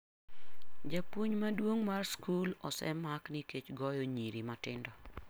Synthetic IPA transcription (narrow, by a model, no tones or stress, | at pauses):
d͡ʒapwoɲmadwoŋmarskulɔsɛ̰makniket͡ʃɡɔjoɲiɾimatɪndɔ